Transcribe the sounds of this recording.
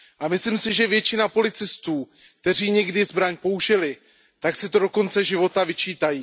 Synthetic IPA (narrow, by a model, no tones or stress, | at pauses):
ʔamɪslimsɪʒɛvjɛt͡ʃɪnapo̞lɪt͡sɪst̪uː | kt̪ɛr̝iːɲɛɡdɪzbɾaɲpo̞uʒɪlɪ | t̪aksɪt̪o̞do̞ko̞nt͡sɛʒɪvo̞t̪avɪt͡ʃiːt̪ajiː